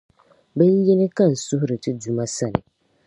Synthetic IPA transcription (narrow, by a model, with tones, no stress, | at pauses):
bɛ˦n˦jɛ˦nɪ˦ka˦n̩˨sʊ˦hʊ˦ɾɪ˨tʰɪ˦du˨mã˦sa˦nɪ̰˨